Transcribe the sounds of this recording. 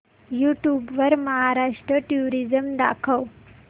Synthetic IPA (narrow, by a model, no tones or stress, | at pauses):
juʈjubʋəɾməɦaɾaʂʈɾəʈjuɾid͡zəmd̪a̰kʰəʋ